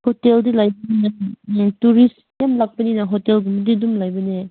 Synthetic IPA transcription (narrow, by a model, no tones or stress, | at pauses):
hoteldilajbɐninatuɾis | jamlak̚pɐninaɦotelɡumdidumlajbɐne